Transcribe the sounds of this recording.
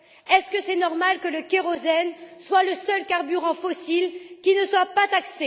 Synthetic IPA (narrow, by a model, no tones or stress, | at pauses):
ɛskəsɛnɔʁmalkələkeʁozɛnswaləsœlkaʁbyʁɑ̃fɔsilkʲinəswapat̪akse